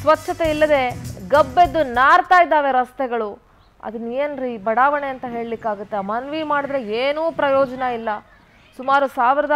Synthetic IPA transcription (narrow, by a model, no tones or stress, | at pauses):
sʋɐt͡ʃːʃʰɐt̪eilːɐd̪e̞ɡɐbːe̞d̪ːunaːɾt̪aːjid̪ːaːʋe̞ɾɐst̪ɛɡɐɭu | ɐ̰d̪ɐnːenɾibɐɽaːʋɐɳeɐnt̪ɐɦe̞ːɭlikːaːɡut̪ːemɐnʋimaːɽid̪ɾe̞eːnuːpɾɐjɔːd͡ʒɐnɐilːɐ | sumaːɾusaːʋiɾɐd̪